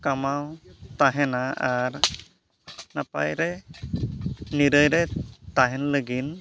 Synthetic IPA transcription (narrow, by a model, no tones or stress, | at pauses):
kamawt̪aɦɛnaaɾ | napa̰jɾɛ | niɾəjɾɛt̪aɦɛnləɡin